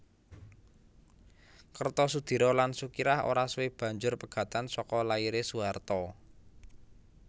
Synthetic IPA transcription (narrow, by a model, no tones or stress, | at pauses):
kərt̪ɔsud̪̥i̤ɾɔlansukiɾaho̰ɾasweb̥ä̤ɲd͡ʒʊrpəɡ̥ä̤t̪ansɔkɔlaiɾesuart̪ɔ